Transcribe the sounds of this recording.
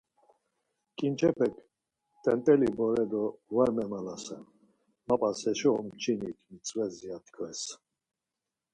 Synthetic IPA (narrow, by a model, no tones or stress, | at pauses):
kʼint͡ʃʰɛpʰɛkʰ | t̪ʼɛnt̪ʼɛlibɔɾɛd̪ɔvaɾmɛmalasɛn | mapʼasɛʃɔɔmt͡ʃʰinikʰmit͡sʼvɛziat̪ʰkʰvɛs